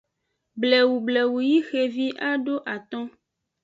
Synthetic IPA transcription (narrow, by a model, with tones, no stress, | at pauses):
blɛ˨wu˨blɛ˨wu˨ji˦xe˨vi˦ʔa˦ɖo˦ʔa˨t̪ɔ̃˦